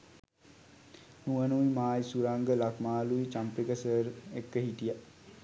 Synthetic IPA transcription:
nuʋənuʋimaːjsuɾaŋɡəlakmaːluit͡ʃampikəsəɾekːəɦit̪ija

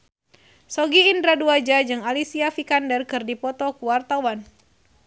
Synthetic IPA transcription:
sɔɡiːndɾaduad͡ʒad͡ʒɨŋalisiafikandɛrkɨrdipɔt̪ɔkuwart̪awan

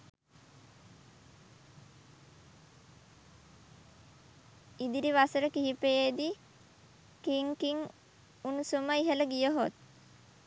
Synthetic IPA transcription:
id̪iɾiʋasəɾəkiɦipejed̪i | kiŋkiŋ | unusuməiɦələɡijəɦot̪̚

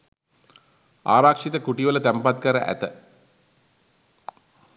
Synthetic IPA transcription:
a̰ːɾaːkʂit̪əkuʈiʋələt̪æmpat̪̚kəɾə̰ʔæ̰t̪ə

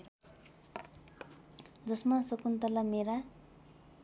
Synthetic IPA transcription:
d͡zʌsmasʌkunt̪ʌlameɾa

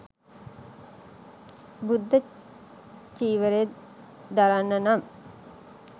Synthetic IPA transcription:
bud̪ːə | t͡ʃiːʋəɾe | d̪aɾanːɐnam

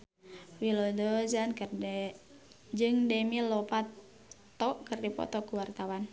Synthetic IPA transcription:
wilɔdɔzankɨrdɛ | d͡ʒɨŋdɛmilɔpa | t̪ɔkɨrdipɔ̰t̪ɔkuwart̪awan

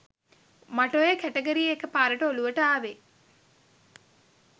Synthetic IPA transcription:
maʈojekæʈeɡəɾijekəpaːɾəʈəoluʋəʈəaːʋe

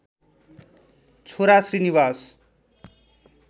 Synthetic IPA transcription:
t͡sʰoɾasriniβas

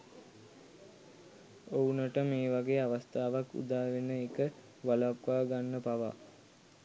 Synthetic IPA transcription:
ounəʈəmeːʋaɡeːaʋast̪aːʋakːṵd̪aːʋenəekə | ʋalapʋaːɡanːəpaʋa̰

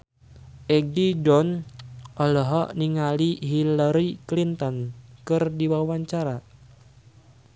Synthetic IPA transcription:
ʔɛɡ̚did͡ʒɔnʔɔlɔɦɔniŋaliɦilaɾiklint̪ɔnkɨrdiwawaɲt͡ʃaɾa

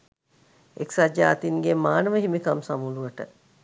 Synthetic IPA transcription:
eksad͡ʒaːt̪inɡemaːnəʋəɦimikamsamuluʋəʈə

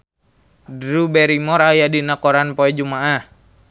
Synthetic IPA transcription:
dɾubɛɾimɔɾajadinakɔɾanpɔɛd͡ʒumaʔah

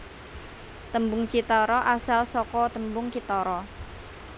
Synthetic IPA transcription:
t̪əmbʊŋt͡ʃit̪ɔɾɔʔasalsɔkɔt̪əmbʊŋt͡ʃit̪ɔɾɔ

